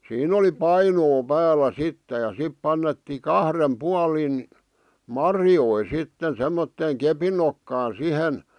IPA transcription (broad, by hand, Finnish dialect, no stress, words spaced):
siːn oli pɑinoː pæːlæ sitːĕ jɑ sip pɑnːetːiː kɑhrem puɑlin mɑrjoi sitːen semːotːeːŋ kepin nokːɑː sihen